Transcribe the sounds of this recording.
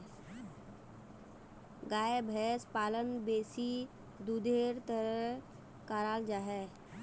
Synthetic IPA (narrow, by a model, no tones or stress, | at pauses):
ɡaːebʱɛːspaːlənbeːsi | d̪ud̪ʱeːɾt̪əɾə | kaːɾaːld͡ʒaːɦɛ